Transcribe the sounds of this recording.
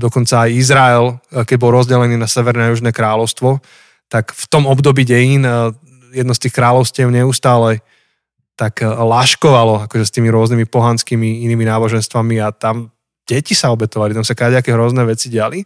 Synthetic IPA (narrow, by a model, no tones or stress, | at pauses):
d̪ɔkɔnt͡saːjizɾaɛlkɛɟ̚bɔlɾɔzɟɛlɛniːnasɛʋɛɾnɛjuʒnɛːkɾaːlɔʊst̪ʋɔ | t̪akft̪ɔmɔbd̪ɔbiːɟɛjiːn | jɛd̪nɔst̪iːxkɾaːlɔʊscɪɛʊɲɛust̪aːlɛ | t̪aklaʃkɔʋalɔakɔʒɛst̪iːmiɾʊɔznimipɔɦanskimiiniːminaːbɔʒɛnst̪ʋamiat̪am | ɟ̥ɛcisaɔbɛt̪ɔʋalit̪amsakɾaɟɛakɛɦɾɔznɛːʋɛt͡siɟɪali